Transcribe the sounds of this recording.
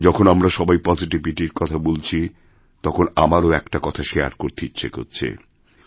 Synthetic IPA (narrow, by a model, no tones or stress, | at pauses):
d͡ʑɔkʰonamɾaʃɔbajpɔziʈiviʈiɾkɔt̪ʰabolt͡ɕʰi | t̪ɔkʰonamaɾoɛkʈakɔt̪ʰaʃea̰ɾkoɾt̪ʰitːɕʰeko̰tːt͡ɕʰḛ